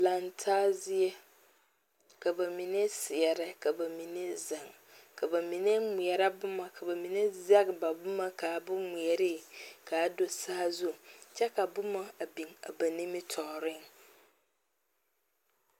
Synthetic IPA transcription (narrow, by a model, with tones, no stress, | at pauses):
la˨ntʰaː˦zɪ˦ɛ˦ | ka˨ba˨mi˨ne˦sɪ˨ɛ˨ɾɪ˦ka˨ba˨mi˨ne˦za˨ŋ | ka˨ba˨mi˨ne˦mʊ˨ɛ˨ɾa˦bʊ˦ma˨kʰa˨ba˨mi˨ne˦za˦ɡba˨bʊ˦ma˦ka˨bʊ˦mi˨ɛ˨ɾɪ˦kʰa˨˦do˨sa˦a˦zʊ˦˨t͡ʃɛ˦ka˨bʊ˦ma˦a˨bi˨ŋa̰˨ba˨ni˦mɪ˦tʰɔ˨ɾɪ˦ŋ